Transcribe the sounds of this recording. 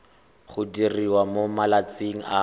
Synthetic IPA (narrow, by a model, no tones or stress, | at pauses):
χʊdiriwamomalat͡siŋ̩a